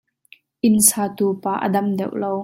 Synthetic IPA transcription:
ʔɪnsaːt̪uːpaːʔə̰dɐmdɛwʔlow

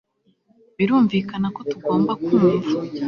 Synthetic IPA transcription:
βiɾuːɱviːkanako̞tuɡo̞ːmbakuːneva

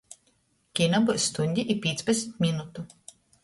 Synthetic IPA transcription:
kʲinabusːt̪unʲd̪ʲiʔipʲiɛt̪spɛt̪sʲmʲit̪mʲinut̪u

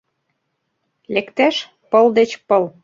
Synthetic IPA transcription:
lekt̪æʃ | pɤ̆ld̪et͡ɕpɤl

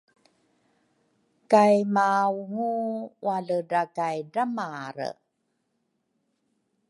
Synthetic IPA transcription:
kajmawŋuwaɮədakajdamaɾə̰

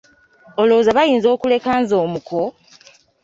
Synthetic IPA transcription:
oloːzaβajiːnzo̞ːkule̞kaːnzoːmukʰo

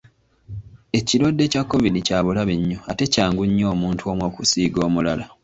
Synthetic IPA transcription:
e̞cilwodːe̞cakːo̞vidicaːβulaβiɲːoate̞caːŋɡuɲːo̞ːmuːntʰuo̞mwo̞ːkusiːɡo̞ːmulala

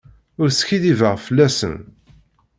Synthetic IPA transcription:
ʊɾsçiðivəʁfəlːæsə̰n

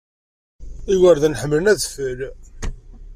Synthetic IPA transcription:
iwəɾðænħəmːlənæðfəɾ

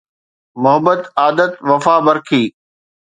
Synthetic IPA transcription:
mʊɦəbət̪aːd̪ət̪ʋɐfaːbɐɾkʰiː

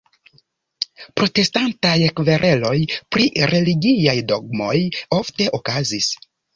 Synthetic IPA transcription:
pɾo̞te̞stantajekve̞ɾʔe̞lo̞jpɾiɾe̞liɡiajdo̞ɡ̚mo̞jo̞fte̞ʔokazis

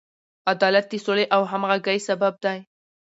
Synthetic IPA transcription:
ad̪ɑlat̪̚d̪isoleʔawɦamɣaɡajsabab̚d̪aj

